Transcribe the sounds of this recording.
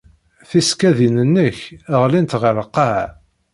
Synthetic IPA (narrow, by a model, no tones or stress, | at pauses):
θiskæðinənːəçəʁlint̪ʁəɾqːəʕ